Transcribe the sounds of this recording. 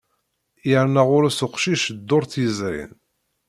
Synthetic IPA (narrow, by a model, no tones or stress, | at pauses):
jəɾnæʁʊɾæsʊqʃiʃd̪ːʊɾˤθjəzɾḭn